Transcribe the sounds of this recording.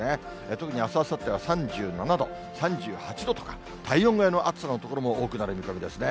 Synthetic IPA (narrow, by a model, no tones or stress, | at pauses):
ne | t̪o̞kɯ̟ɲ̟iasoβasat̪ːeβasãɲ̟d͡ʑɨːnanad̪o̞ | sãɲd͡ʑɨːhat͡ɕid̪o̞t̪o̞̥kḁ | t̪ʰaiõ̞ŋɡeno̞ʔat͡sɨ̥sano̞t̪o̞ko̞ɾomo̞ʔoːkɯ̟naɾɯ̟mʲikaɡʲed̪e̞sɨne